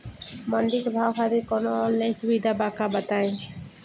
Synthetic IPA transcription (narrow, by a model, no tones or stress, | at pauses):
mɔnɖikbʱawxʰad̪ikɔnoɔnːajsubid̪ʱabakabat̪aj